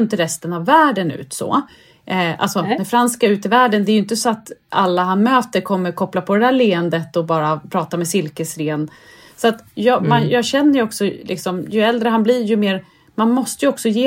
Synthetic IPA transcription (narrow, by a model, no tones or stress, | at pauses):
nt̪əɾɛst̪ənavːæːɖənʉ̰ːt̪sɔ̰ | ʔa̰lsɔd̪ɛfɾanskaɾʉ̟ːt̪ɪvæːɖənd̪ɛːjʏɪnt̪̬əsɔat̪alːaɦanmøːt̪əɾkʰɔmːəɾkʰɔplapʰɔd̪ɛd̪æːɾleːənd̪ət̪ɔbɑːɾapʰɾɑːt̪amɛsɪlkəsɾeːn | sɔat̪jɑmanjɑːɡɕɛnːəjɔksɔlɪ̰ksɔmjɵɛld̪ɾəɦanblɪɾjɵmeːɾ | manmɔst̪əjɵɔksɔjeː